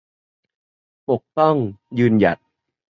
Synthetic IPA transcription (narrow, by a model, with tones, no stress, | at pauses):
po˨˩k̚t̪ɔ˥˩ŋjɯː˧nja̰˨˩t̪̚